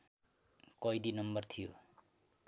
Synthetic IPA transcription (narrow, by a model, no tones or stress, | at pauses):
kʌjd̪inʌmbʌrt̪ʰijo̰